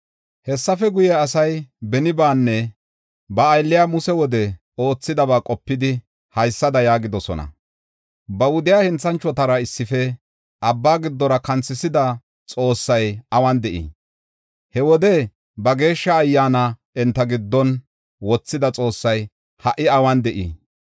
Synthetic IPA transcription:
hɛsːɐfɛɡʊjɛɐsɐjbɛnɪbaːnːɛ | bɐːjlːɪjaːmʊsɛwɔd̪ɛ | o̞ːt͡sːɪd̪ɐbaːkʼɔpːɪd̪ɪ | hɐjsːɐd̪ɐjaːɡɪd̪ɔsɔ̰nɐ̰ | bɐwʊd̪ɪjaːhɛnt͡sːɐnt͡ʃːɔt̪ɐɾɐɪsːɪfɛ | ʔɐbːaːɡɪd̪ːɔɾɐkɐnt͡sːɪsɪd̪ɐ | t͡sʼo̞ːsːɐjɐwɐnd̪ɛʔḭ | hɛwɔd̪ɛ | bɐɡe̞ːʃːɐːjːaːnɐ | ɛnt̪ːɐɡɪd̪ːɔn | wɔt͡sːɪd̪ɐt͡sʼo̞ːsːɐj | hɐʔɪɐwɐnd̪ɛʔḭː

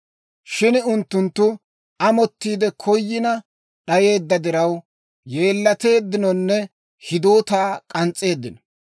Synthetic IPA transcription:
ʃɪnʊnt̪ːʊnt̪ːʊ | ɐmɔt̪ːiːd̪ɛkʰɔjːɪnɐ | ɗɐje̞ːd̪ːɐd̪ɪɾɐw | je̞ːlːɐt̪e̞ːd̪ːɪnɔnːɛ | hɪd̪o̞ːt̪aːkʼɐnt͡sʼːe̞ːd̪ːɪnɔ̥

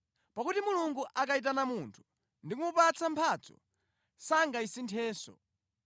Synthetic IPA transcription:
pakutimuluŋɡuʔakait̬anamuntʰu̥ | ndikumupat͡sʰampʰaːt͡sɔ̰ | saŋɡaisintʰɛːsɔ̰

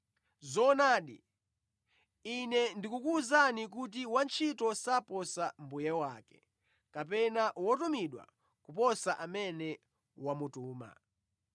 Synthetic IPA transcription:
zɔnaːɗḭ | inɛndikukuːzanik̬ut̬iwant͡ʃʰitɔsapɔsambujɛwaːkɛ̥ | kap̬ɛnawɔtumiɗwa̰ | kupɔsaʔamɛnɛ | wamutuːma̰

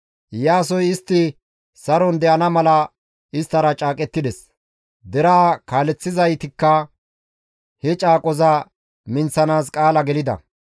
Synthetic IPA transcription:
jaːs̬ɔjɪst̪ːɪ | sɐɾɔnd̪ɛʔɐnɐmɐlɐ | ɪst̪ːɐɾɐt͡ʃʼaːkʼɛt̪ːɪd̪ɛs | d̪ɛɾaːkaːlɛt͡sːɪzɐjt̪ɪkːɐ | hɛt͡ʃʼaːkʼɔzɐ | mɪnsɐnaːskʼaːlɐɡɛlɪd̪ɐ̰

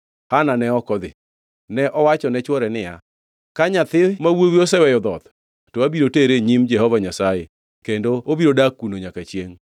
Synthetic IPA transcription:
hananɛɔkɔd̪ɪ̰ | nɛʔɔwat͡ʃɔnɛt͡ʃwɔɾɛnɪja̰ | kaɲat̪ɪmawowiosɛwɛjɔd̪ɔt̪ | toabiɾoteɾeɲimd͡ʒɛhɔvaɲasaje | kendoobiɾodakːunoɲakat͡ʃjeŋ

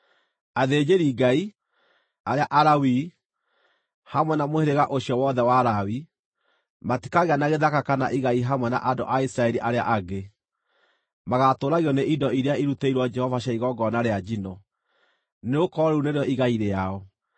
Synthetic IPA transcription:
aðed͡ʒeɾiːɡai | aɾeaʔaɾawi | hamwɛnamoheɾeɣaʔoʃijɔwɔðɛwaɾawi | mati̥kaɣeanaɣeðakakana̰ʔiɣaiɦamwɛna̰ʔado̰ʔaisɾaɛɾiʔaɾea̰ʔaɡe | maɣatoɾaɣiɔneʔidɔiɾeaiɾuteiɾwɔd͡ʒɛhɔvaɕaiɣɔɡɔnaɾead͡ʒinɔ | neokɔɾuneɾeɔʔiɣaiɾeaɔ

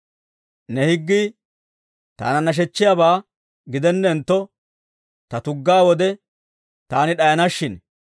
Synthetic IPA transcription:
nɛhɪɡːi | t̪a̰ːnɐnːɐʃ̬ɛt͡ʃːɪjabaː | ɡɪd̪ɛnːɛːnt̪ːɔ | t̪ɐt̪ʊɡːaːwɔd̪ɛ | t̪aːnɪɗɐjɐnɐʃːɪn

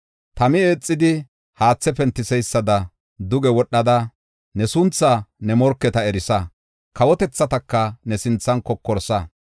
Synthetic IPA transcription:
t̪ɐmɪeːt͡sʼːɪd̪ɪ | haːt͡sːɛpɛnt̪ːɪsɛjsːɐd̪ɐ | d̪ʊɡɛwɔɗːɐd̪ɐ | nɛsʊnt͡sːɐnɛmɔɾkːɛt̪ɐɛɾɪsɐ | kɐwɔt̪ɛt͡sːɐt̪ɐkːɐnɛsɪnt͡sːɐnkɔkːɔɾsɐ

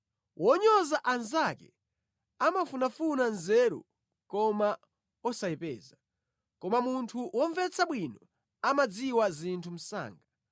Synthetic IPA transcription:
wʔɔɲɔzaʔanzakɛ | amafunafunanzɛɾṵ | kɔma | ɔsaipɛ̰ːza | kɔmamuntʰuwʔɔɱvɛt͡sʰaɓwinɔ | amad͡ziwazintʰum̩sa̰ːŋɡa

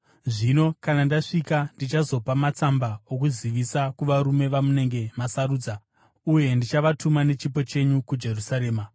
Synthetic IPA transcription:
ʐino̞kanandaʂikandit͡ʃazo̞pamat͡sambaokuziʋisakuʋaɾume̞ʋamune̞ŋɡe̞masaruːd͡za | uje̞ndit͡ʃaʋatumane̞t͡ʃipo̞t͡ʃe̞ɲukud͡ʒe̞rusaɾe̞ːma

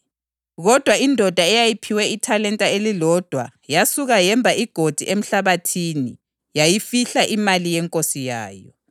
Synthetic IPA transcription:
ɣɔd̥ʱwaindʱɔd̥ʱaɛjajipʰiwɛitʰalɛntʼaelilɔd̥ʱwajasuɣajɛmbʱaʔiɡ̥ʱod̥ʱiʔem̩ɬaβatʰiːni | jajifiɬaʔimalijɛŋkʼosija̰ːjɔ̰

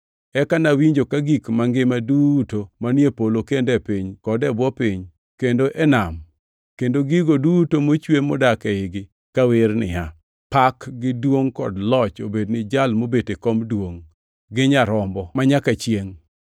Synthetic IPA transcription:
ɛkanawiɲd͡ʒokaɡikmaŋɡɪmadutomanjepolokendɛpiɲkɔdɛbwɔpiɲ | kendoʔɛnam | kendoɡiɡodutomot͡ʃwemodakɛɪɡɪ | kawɪɾnɪ̰ja | pakɡɪdwoŋkɔdlɔt͡ʃobednɪd͡ʒalmobetekɔmdwoŋ | ɡɪɲaɾɔmbɔmaɲakat͡ʃjeŋ

